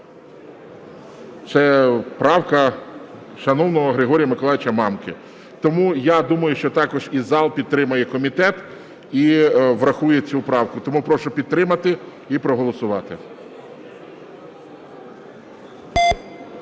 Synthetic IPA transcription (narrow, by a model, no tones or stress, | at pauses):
t̪sɛpɾɑwkɐ | ʃɐnɔwnɔɦɔɦɾɪɦɔɾʲijɐmɪkɔlˠɑjɪt͡ʃɐmɑmkɪ | t̪ɔmujad̪umɐjʊʃt͡ʃɔt̪ɑkɔʒizːɑlˠpʲid̪̚t̪ɾɪmɐjɛkɔmʲit̪ɛt̪ | iʋɾɐxujet͡sʲupɾɑwkʊt̪ɔmupɾɔʃʊpʲid̪̚t̪ɾɪmɐt̪ɪ | ipɾɔɦɔlˠɔsʊʋɑt̪ɪ